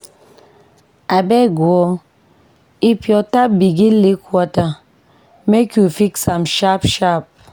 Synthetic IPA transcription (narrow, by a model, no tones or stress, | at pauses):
abeɡwɔ | ipjɔtap̚biɡilikwata | mekufiksamʃapʃap̚